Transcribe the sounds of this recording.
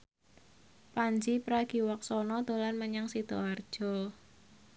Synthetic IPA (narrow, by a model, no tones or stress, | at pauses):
paɲd͡ʒipɾaɡ̥iwak̚sɔnɔt̪ulanməɲaŋsid̪̥ɔard̥ʒ̥ɔ